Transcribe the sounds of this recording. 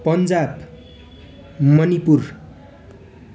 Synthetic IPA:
pʌnd͡zab | mʌnipur

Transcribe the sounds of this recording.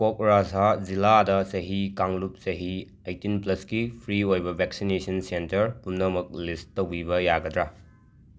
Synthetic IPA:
kok̚ɾazaziladɐsɐɦikaŋlup̚sɐɦi | ejtinplɐskipʰɾiojbɐbʱɛksinesɐnsentɐɾpunːɐmɐk̚listːowbibɐjaɡɐdɾa

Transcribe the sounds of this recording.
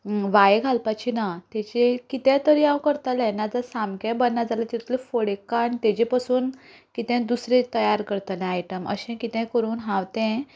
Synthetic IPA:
ʋajeɡʱalpat͡ɕinat̪ɛt͡ɕekit̪ɛ̃t̪əɾiawkəɾt̪alɛ̃nad͡zəsamkẽbənːad͡zalat̪itt̪lefoɽekaɳt̪et͡ɕepasuːnkit̪ɛ̃d̪usɾet̪əjaɾkəɾt̪alẽajʈəmə̰ɕɛ̃kit̪ɛ̃kəɾuːnɦãwt̪ɛ̃

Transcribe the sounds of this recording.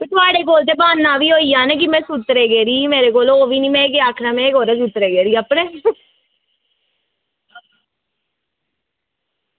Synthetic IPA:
kːt̪ʊaːɽeːk̬oːlt̪̬eːbaːnːãːʋiːɦoːiːjãːneːk̬ɪmɛ̃ːsʊt̪ɾeːɡeːɾiːmeːɾeːkoːloːʋiːniːmɛ̃ːkeaːkʰɾaːmɛ̃ːekoːɾeːs̬ut̪ɾeːɡeːɾiːəpɳẽː

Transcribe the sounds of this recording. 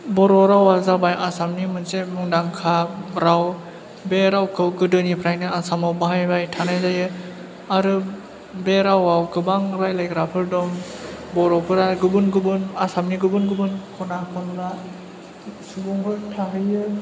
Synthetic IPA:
bɔɾɔɾawazabajʔasamnimɯnsemuŋdaŋkʰaɾaw | beɾawkʰɯwɡɯdɯnipʰɾajnɯasamawbaɦajbajtʰanajzajɯ | aɾɯ | beɾawawkɯbaŋɾajlajɡɾapʰɯɾdɔmbɔɾɔpʰɯɾaɡɯbɯnɡɯbɯnasamniɡɯbɯnɡɯbɯnkʰɔnakʰɔnba | subɔŋɡɯtʰaɦɯjɯ

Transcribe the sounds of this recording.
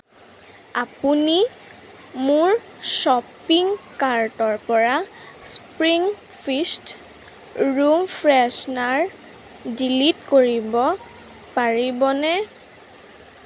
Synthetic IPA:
apuni | mʊɹ | sɔpiŋkaɹtɔɹpɔɹaspɹiŋ | pʰist | ɹumpʰɹɛsnaɹ | dilitkoɹibɔ | paɹibɔnɛ

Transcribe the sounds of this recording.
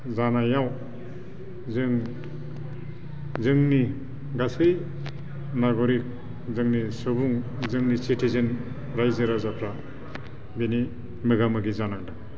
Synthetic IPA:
zanajaw | zɯŋ | zɯŋni | ɡasɯj | najɡɔɾik̚ | zɯŋnisɯbuŋ | zɯŋnisitʰizen | ɾajzɯɾazapʰɾa | beni | mɯɡamɯɡizanaŋda

